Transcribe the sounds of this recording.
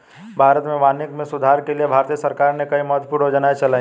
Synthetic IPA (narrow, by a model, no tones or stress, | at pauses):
bʱaːɾət̪mẽʋaːnɪkmẽsʊd̪ʱaːɾkeliebʱaːɾt̪ijəsɐɾkaːɾnekɐimɔːt̪ʰpuɾoːd͡ʒənaet͡ʃɐlaːĩ